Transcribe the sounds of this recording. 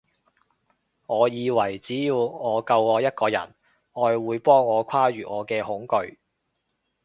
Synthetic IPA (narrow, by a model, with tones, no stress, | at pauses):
ŋɔː˨˧jiː˨˧wɐ˨˩jt͡siː˨˥jiː˧wŋɔː˨˧kɐ˧wɔː˨˧jɐ˥t̚kɔː˧jɐ̰˨˩n | ɔː˨˧jwuː˨˧jpɔː˥ŋːɔː˨˧kʰaː˥ɥyː˨ŋɔː˨˧kɛː˧hʊ˨˥ŋkɵ˧ɥ